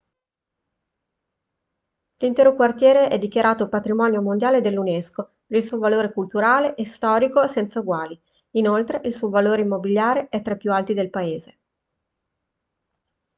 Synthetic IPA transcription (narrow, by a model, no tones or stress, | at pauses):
lint̪ɛːɾokwart̪jɛːɾeʔɛd̪ːikjaɾʔaːt̪opat̪ɾimɔːnjomond̪jaːled̪elːunɛsko | peɾilsuovaloːɾekult̪uɾaːleʔest̪ɔːɾikosɛnt̪sauɡwaːli | inolt̪ɾeʔilsuovaloːɾeimːobiljaːɾeʔɛt̪ːɾapːjualt̪id̪elpaeːze